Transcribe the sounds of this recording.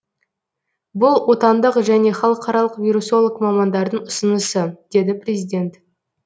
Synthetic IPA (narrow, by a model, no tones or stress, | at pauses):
bʊlˠwo̞t̪ɑnd̪əqʒæne̞χɑlˠəqʰɑɾɑlˠəqvʲiɾuso̞lˠəqmɑmɑnd̪ɑɾd̪əɴʊsənəsəd̪̥e̞d̪ɪprʲe̞zʲijd̪ʲe̞nt̪